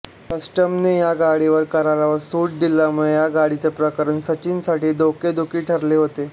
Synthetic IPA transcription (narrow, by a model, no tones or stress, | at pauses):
kəsʈəmnejaɡaɽiʋəɾkəɾalaʋəɾsuʈ̚d̪ilamuɭejaɡaɽit͡sepɾəkəɾəɳsət͡ɕinsaʈiːd̪oked̪ukiːʈʰəɾleɦot̪e